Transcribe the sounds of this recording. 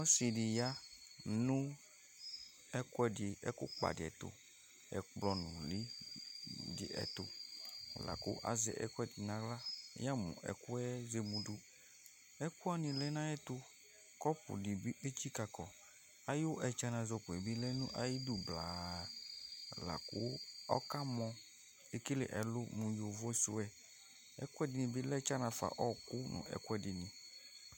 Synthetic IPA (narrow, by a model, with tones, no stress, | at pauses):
ɔ˦si˨di˨ja˦nũ˦ | ɛ˦ku˦ɛ˨di˨ɛ̰˦kṵ˦k͡pa̰˨di˨ɛ̰˨t̪o̰˨ | ɛ̰˨k͡plɔ˨nṵ̃˨li˦ | dḭ˨ʔɛ̰˨t̪o̰˨la̰˨ko̰˦ʔa̰˨zɛ̰˨ʔɛ̰˦kɛ˦˨t̪i˨nã˨ɡla˦ja˦mṵ̃˨ʔɛ̰˨ku˦ɛ˦ze˨mũ˨du˦ | ɛ˦ku˦a˦nĩ˨lɛ˦nã˦ɛ˦t̪o˦ | kɔ˦pʊ̰˨di˨bi˦ʔe˦t͡ʃi˦ka˨kɔ˨ | a˦jo˦ʔɛ˨t͡ʃa˦nã˨zɔ˨ku˨ɛ˨bi˦lɛ˦nṵ̃˦ʔa̰˨ji˦du˦bla˨ | la̰˨kʊ˦ɔ̰˦ka˦mɔ̃˨ | e˨ki˦lḛ˨ʔɛ˨lʊ˦mũ˨jo˨vɔ˦so̰˦ɛ˨ | ɛ̰˦kʊ˦ɛ˦dɪ˨nĩ˨bi˦lɛ˦t͡ʃa˦nã˨fa̰˨ʔɔ˦kʊ˦nʊ̰̃˨ɛ̰˨ku˦ɛ˨dɪ˨nĩ˨